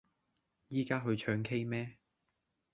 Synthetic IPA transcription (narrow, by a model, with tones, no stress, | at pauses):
jiː˥kaː˥ɦɵ˨˧ɥt͡ʃʰœː˧ŋkʰe˥jmɛː˥